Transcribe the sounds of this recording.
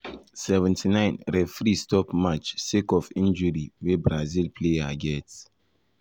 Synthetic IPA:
sɛvɛ̃ntʰinãɪ̃nɾɛfɾistɔpmat͡ʃsikɔfĩnd͡ʒɔɾiwebɾazilpʰleaɡɛt

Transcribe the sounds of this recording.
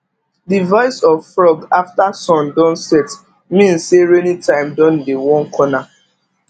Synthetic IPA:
divɔɪsɔvfɹɔɡaftasɔ̃ndɔ̃nsɛt | mĩn̩seɾenitãɪ̃mdɔ̃ndewɔ̃nkʰɔna

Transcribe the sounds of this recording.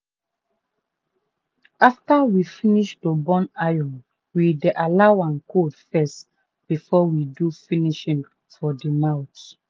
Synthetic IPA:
aftawifiniʃtubɔ̃najɔ̃n | wideʔalaʊãnkʰodfɛst | b̥ifɔwidufiniʃĩŋ | fɔdimaʊt

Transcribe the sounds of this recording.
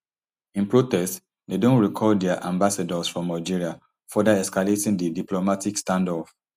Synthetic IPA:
ĩnpɹotɛst | dedõntɹikʰɔdɛaʔãmbasadɔsfɹɔ̃mːnaɪd͡ʒiɹia | fɔdaɛskaletĩŋdidiplomatikstãndɔf

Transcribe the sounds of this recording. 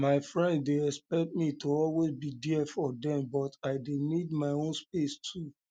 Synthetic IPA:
maɪfɹɛ̃nddeɛspɛk̚t̚mitoɔlwezbidiɛfɔdɛ̃mbɔtaɪdenidmaɪõnspestʰu

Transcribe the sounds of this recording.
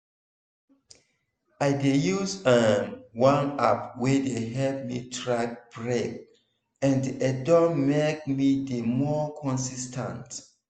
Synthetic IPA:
ajdejusəwãnap̚wedeɦɛlp̚mitʰɹak̚b̥ɹɛk̚ | ɛ̃ndiʔɛdɔːek̚midemɔkʰɔ̃nsistʰə̰̃nt

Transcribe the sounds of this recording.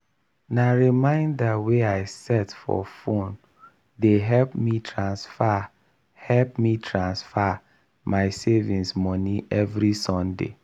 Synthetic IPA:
naɹimãɪ̃ndaweaɪsɛtfɔ̰fõn | deɦɛlpmitʰɹãnsfa | hɛlp̚mitʰɹãnsfa | maɪsevĩnsmɔniʔɛvɹisɔ̃ndḛ

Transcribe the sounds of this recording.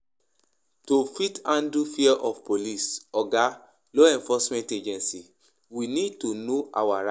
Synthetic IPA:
tofitãndufiɛʔɔfpolisɔɡa | loɛ̃nfɔsmɛ̃nted͡ʒɛ̃nsi | winid̚tonoʔawaɾa

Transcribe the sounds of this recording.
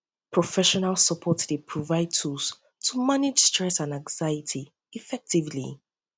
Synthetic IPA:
pʰɹ̥ɔfɛʃɔnalˠsəpʰɔtdepʰɹɔvaɪd̚tʰuls | tʰumanɪd͡ʒstɹ̥ɛsãnãŋz̥aɪɪtʰi | ifɛk̚tivlḭ

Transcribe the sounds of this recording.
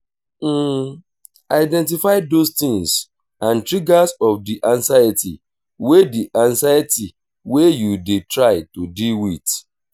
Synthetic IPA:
aɪdɛ̃nt̬ifaɪdost̪ɪ̃ŋs | ãntɾiɡasɔfdiʔãnsajatḭ | wediʔãnsajati | wejudetɾaɪtodilwit

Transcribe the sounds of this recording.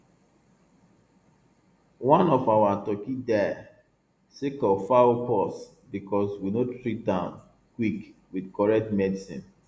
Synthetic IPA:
wãnɔfawatɔkidɛ | sekɔfaopɔs | bikɔswinotɹit̚dãʊ̃n | kwikwidkɔɹɛk̚tmɛdisḭ̃n

